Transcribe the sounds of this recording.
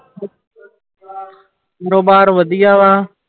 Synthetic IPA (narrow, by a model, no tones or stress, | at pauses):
kːɾoːbaːɾʋəd̪ʱiːaːʋaː